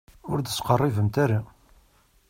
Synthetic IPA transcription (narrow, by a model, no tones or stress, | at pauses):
ʊɾd̪əsqərˤːivəmt̪aɾa